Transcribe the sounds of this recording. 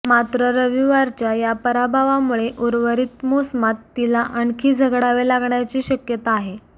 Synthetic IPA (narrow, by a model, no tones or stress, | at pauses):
mat̪ɾəɾəʋiʋaɾt͡ɕjajapəɾabʱaʋamuɭeʔuɾʋəɾit̪mosmat̪ːilaʔəɳkʰiːd͡zʱəɡɽaʋelaɡɳjat͡ɕiːɕəkjət̪aːɦe